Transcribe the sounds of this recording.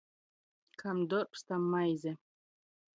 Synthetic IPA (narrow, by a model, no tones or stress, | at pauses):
kʰamd̪orpst̪amːajzʲe